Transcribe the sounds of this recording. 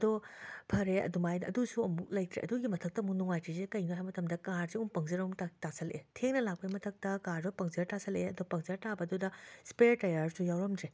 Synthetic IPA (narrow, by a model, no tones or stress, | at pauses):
ɐdɔpʰɐɾeɐ̰dumajɐ̰dusuɐmuk̚lɐjtɾḛʔɐ̰duɡimɐtʰɐk̚tɐmunuŋajtʰizekɐjnoɦajmɐtɐmdɐkaɾzeumpɐŋzeɾɐumtatasʰɐlʔḛtʰeŋnɐlak̚pɐimɐtʰɐk̚tɐkaɾzɔpɐŋzɐɾtasʰɐleɐdɔpɐŋzɐɾtabɐːdudɐspeɾtɐjaɾsujawɾɐmdɾe